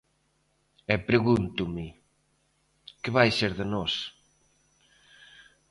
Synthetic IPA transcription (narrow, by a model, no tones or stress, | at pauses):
ɛpɾeɣunt̪ʊmɪ | kɪβajseɾðɪnɔs